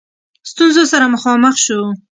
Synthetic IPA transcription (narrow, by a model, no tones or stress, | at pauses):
st̪unzosaɾamʊxɑməxʃu